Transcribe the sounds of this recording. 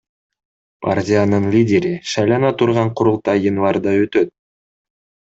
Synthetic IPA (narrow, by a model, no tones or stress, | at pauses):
pa̰rtʲijanɯnlʲidʲe̞ɾiʃɑjlˠɑnɑt̪ʰuɾʁɑɴqʰʊɾulˠt̪ɑjənvɑrd̪ɑøt̪ø̞t̪̚